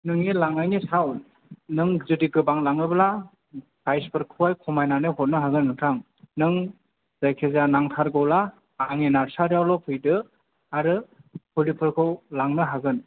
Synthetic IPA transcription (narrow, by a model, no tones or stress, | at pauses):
nɯŋilaŋajnisaw | nɯŋzɯdiɡɯbaŋlaŋnɯbla | pajspʰɯɾkʰuwajkʰɔmajnanɯɦɔt̚nɯɦaɡɯnːɯtʰɾaŋ | nɯŋ | zajkʰezanaŋtʰaɾɡɔwla | aŋinaɾsaɾjawlɔpʰɯjdɯ | aɾɯhʰulipʰɯɾkʰɯwlaŋnɯɦaɡɯn